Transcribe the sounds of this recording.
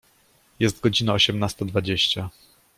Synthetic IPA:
jɛst̪̚ɡɔd͡ʑinaɔɕɛmnast̪ɔd̪vad͡ʑeɕt͡ɕa

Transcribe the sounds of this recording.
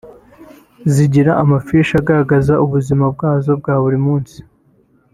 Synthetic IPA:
ziɟiɾaʔamafiʃaɡaɾaɡazaʔuβuzimab̚ɡaːzo̞b̚ɡaːβuɾimuːnsi̥

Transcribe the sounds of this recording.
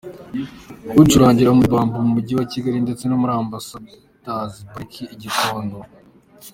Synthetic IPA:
kutuɾaːɲɟiɾamubaːmbumumuɟiwaciɡaɾinde̞t͡se̞nomuɾaːmbasa | tazibuikʰiiɟitoːndo

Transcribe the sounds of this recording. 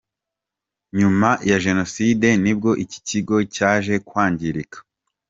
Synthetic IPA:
ɲumajaʒe̞no̞side̞nib̚ɡo̞ʔici̥ciɡo̞caːʒe̞kwaːɲɟiɾikḁ

